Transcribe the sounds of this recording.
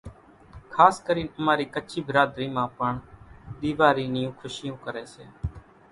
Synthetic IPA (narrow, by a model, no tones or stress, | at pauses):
kʰaːskəɾiːnəmaːɾiːkət͡ʃʰiːbəɾaːd̪ɾiːmãːpəɳɗ̪iːʋaːɾiːnɪjũːkʰʊʃɪjõːkəɾeːseː